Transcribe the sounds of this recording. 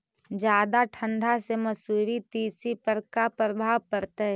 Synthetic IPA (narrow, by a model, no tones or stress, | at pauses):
d͡ʒjaːd̪aʈʰə̃ɳɖʱaseməsuːɾit̪iːsipəɾkapɾəbʱaːwkəɾt̪eɦ